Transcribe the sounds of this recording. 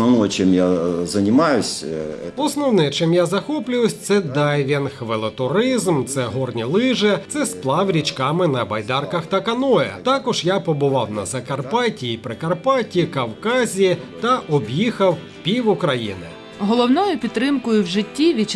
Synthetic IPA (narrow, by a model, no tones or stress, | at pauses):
nɐnɔjt͡ʃɛmjazɐnʲɪmajʊsʲɔsnɔwnɪt͡ʃɪmjazɐxɔplʲʊjʊsʲt̪sɛd̪ɑjʋʲinxʋɪlˠɪt̪ʊɾɪzmt̪sɛɦɔrnʲilˠɪʒɛt̪sɛsplˠɑwɾʲit͡ʃkɑmɪnɐbɐjd̪ɑrkɐxt̪ɐkɐnɔjɛ̰t̪ɑkɔʒjapɔbʊʋɑwnɐ̰zɐkɐrpɑtʲiːpɾɪkɐrpɑtʲikɐwkɑzʲiit̪ɐʔɔbjixɐw | pʲiwʊkɾɐjḭnɪ̰ | ɦɔlˠɔwnɔjʊpʲid̪ɾɪmkʊjʊwʒɪtʲːiʋʲit͡ʃ